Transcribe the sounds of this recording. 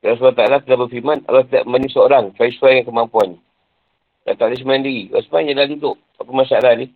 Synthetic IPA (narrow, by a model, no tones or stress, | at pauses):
as̬blat̪alat̪idabəfimanka̰lawk̪ida̰ʔmaɲusəoɾaŋkaisuajŋankəmampuan | da̰t̪aʔlis̬əmajandiɣia̰smaaɲadadidʊʔ | apəmasalani